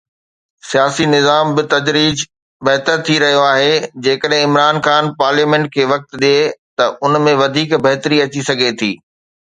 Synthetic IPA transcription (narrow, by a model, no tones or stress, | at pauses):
sijaːsinɪzaːmbɪt̪ɐd͡ʑɾiːd͡ʑ | bɐɦt̪əɾt̪ʰiɾɐɦijoaːɦed͡ʑeːkəɗɦɪ̃ɪmɾaːnxaːnpaːɾliːmẽɳʈ̚kʰeːʋɐk̚t̪ɗijet̪ɐʔʊnmẽʋɐd̪ʱiːkbɐɦt̪ɾiɐt͡ɕisɐɡʱet̪ʰiː